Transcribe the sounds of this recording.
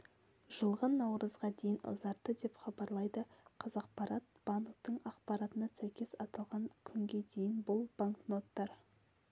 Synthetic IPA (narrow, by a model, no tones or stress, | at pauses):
ʒəlˠʁɑnːɑwɾəzʁɑd̪e̞jɪnʊ̰zɑɾt̪ːəd̪e̞pχɑbɑɾlˠɑjd̪əqʰɑzɑq̚pɑɾɑt̪̚b̥ɑŋkt̪əɴɑqpɑɾɑt̪ənɑsæjkʲe̞sɑt̪ɑlˠʁɑŋkʲʰʏŋɡʲe̞d̪e̞jɪnbʊlˠbaŋkno̞t̪ːɑɾ